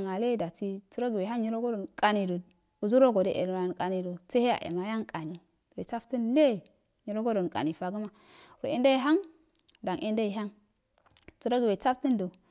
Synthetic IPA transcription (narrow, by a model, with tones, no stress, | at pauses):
ŋa˨le˦da˨ti˦ti˦ɾo˦ɡi˨we˨ɦa˦ŋɲi˦ɾo˦ɡo˦do˨nkʼa˨ni˨do˨ | u˨zu˦ɾo˦ɡo˨de˦ʔḛ˨la˨n˨ka˨ni˨do˨t͡se˦he˦a̰˨ʔḛ˨ma˨ja˦ŋkʼa˨ni˨ | we˨t͡sa˦fti˦nle˦˨ | ɲi˨ɾo˦ɡo˦do˨n˨kʼa̰˨ni˨fa˨ɡu˦ma˦ | ɾo̰˨e˦nda˦i˦ɦa˦ŋ | da˨ŋʔe˦nda˦i˨ɦa˦ŋ | tu˦ɾo˦ɡi˨we˨t͡sa˦fti˦ndo˨